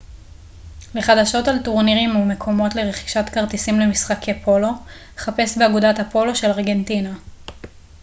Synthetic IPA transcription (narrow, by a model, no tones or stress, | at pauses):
leχad̪aʃo̞taltuʁniʁimume̞kʰo̞mo̞tle̞ʁeχi̥ʃatkaʁtisimle̞misχakʰepʰo̞lo̞ | χape̞sbeaɡudathapo̞lo̞ʃe̞laʁɡe̞ntina